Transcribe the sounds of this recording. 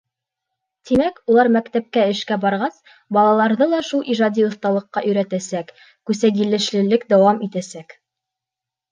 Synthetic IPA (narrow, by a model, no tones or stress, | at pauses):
t̪imækulˠɑɾmækt̪æp̚kæɘ̆ʃkæbɑɾʁɑs | bɑlˠɑlˠɑɾðɤlˠɑʃulˠʔiʒɑd̪ʲiŏθt̪ɑlˠɤ̆qːɑʔɵ̆jɾæt̪æsækː | ʉsæɡɘ̆lɘ̆ʃlɘ̆lɘkd̪æwɑmit̪æsæk